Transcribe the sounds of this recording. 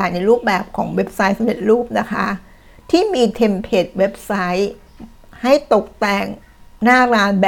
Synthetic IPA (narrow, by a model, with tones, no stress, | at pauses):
aː˨˩na˨˧˩ɾuː˥˩p̚bɛː˨˩p̚kʰɔ̰ː˩˦ŋwe˦˥p̚sa˦˥jsa˧mde˨˩t̪̚ɾuː˥˩p̚na˦˥kʰa˦˥ | t̪ʰiː˥˩miː˧t̪ʰe˧mpʰeː˨˩t̪̚we˦˥p̚sa˦˥j | ha˥˩jt̪o˨˩k̚t̪ɛː˨˩ŋ | naː˥˩ɾaː˧nb